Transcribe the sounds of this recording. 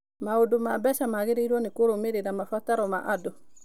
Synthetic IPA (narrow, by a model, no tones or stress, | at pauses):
maudumabɛsamaɡiɾiɾonikoɾomeɾidamafataɾɔma̰ʔadɔ